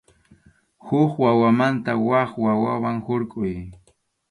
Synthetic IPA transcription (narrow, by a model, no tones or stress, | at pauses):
hʊχwawamant̪awaχwawawaŋhʊɾkʼʊj